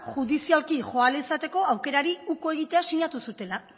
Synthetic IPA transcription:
ʝuðisialkiʝo̞alisat̪e̞ko̞awke̞ɾaɾiukoe̞ɣ̞it̪e̞asiɲat̪usut̪e̞la

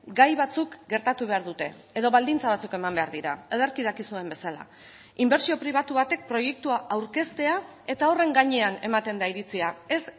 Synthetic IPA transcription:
ɡajβat͡sukɡe̞ɾt̪at̪uβe̞aɾðut̪e̞̰ːðo̞βald̪int͡saβat͡suke̞mambe̞aɾðiɾaeðoɾkiðakisue̞mbe̞sala̰ | imbeɾt͡sio̞pɾiβ̞at̪uβat̪e̞k̚pɾo̞je̞k̚t̪uaʔawɾke̞st̪e̞ae̞t̪ao̞re̞ŋɡaɲe̞ane̞̰mat̪e̞nd̪aiɾit͡siae̞s

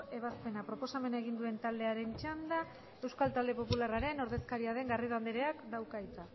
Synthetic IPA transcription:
e̞β̞aspe̞napɾo̞po̞same̞naeɣ̞ind̪ue̞nt̪ald̪e̞aɾe̞nt͡ʃand̪a | e̞wskalt̪ald̪e̞po̞pularaɾe̞no̞ɾðe̞skaɾiaðe̞ŋɡariðand̪eɾe̞akd̪awkajt̪a

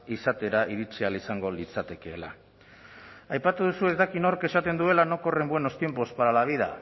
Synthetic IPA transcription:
isat̪e̞ɾaʔiɾit͡sialisaŋɡo̞lit͡sat̪e̞ke̞ːla̰ | ajpat̪uð̞usue̞zd̪akino̞ɾke̞sat̪e̞nd̪ue̞lano̞ko̞re̞mbwe̞no̞st̪je̞mpo̞spaɾalaβ̞iða̰

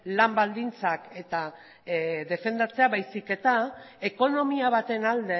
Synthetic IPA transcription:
lambald̪int͡sake̞t̪a | ðe̞fe̞nd̪at͡se̞aβajsike̞t̪a | e̞ko̞no̞miaβ̞at̪e̞nald̪e̞

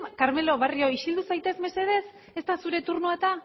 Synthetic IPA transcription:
kaɾme̞lo̞β̞ario̞iʃild̪usajt̪e̞zme̞se̞ð̞e̞s | e̞st̪asuɾe̞t̪uɾnuat̪a

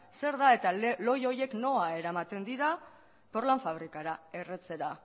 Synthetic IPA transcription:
se̞ɾðae̞t̪alo̞jo̞je̞kno̞ae̞ɾamat̪e̞nd̪iɾa | po̞ɾlaɱfaβɾikaɾae̞re̞t͡se̞ɾa

